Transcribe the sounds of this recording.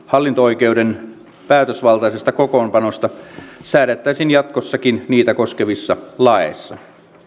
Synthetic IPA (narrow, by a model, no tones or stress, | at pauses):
hɑlːint̪oojke̞uden | pæːt̪øsʋɑlt̪ɑjsest̪ɑkokoːmpɑno̞st̪ɑsæːɾet̪ːæisinjɑt̪kosːɑkinniːt̪æko̞skeʋisːɑlɑḛsːɑ